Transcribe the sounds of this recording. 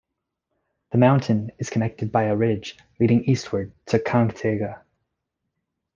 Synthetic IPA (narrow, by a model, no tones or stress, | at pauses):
ðəmãʊ̃ntʰɨ̃nɨz̥kʰənɛk̚tɨd̚baɪəɹɪd͡ʒ | liɾɪ̃ŋist̚wə˞d̚tʰɨkʰɑ̃ŋktʰeɡə